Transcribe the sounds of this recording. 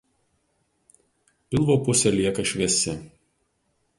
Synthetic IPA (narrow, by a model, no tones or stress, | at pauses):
pʲɪlˠʋoːpʊsʲɛlʲiɛkɐʃʲʋʲɛsʲɪ